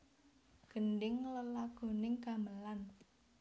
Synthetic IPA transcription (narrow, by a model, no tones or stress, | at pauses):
ɡ̥ə̤nɖɪŋləlaɡ̥o̤nɪŋka̤məlan